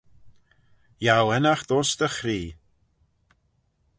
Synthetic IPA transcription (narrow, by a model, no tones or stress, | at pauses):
jawɛnaxd̪ɔsd̪əxɾiː